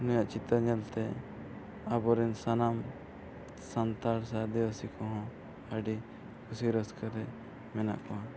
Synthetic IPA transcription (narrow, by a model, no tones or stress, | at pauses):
nɔjaʔt͡ʃit̪aɲɛlt̪ɛ | abɔɾinsanam | sant̪aɾsad̪iwasikʰɔɦɔ̃ | əɖi | kʰusiɾəskʰəɾɛ | mɛna̰ʔkɔɦã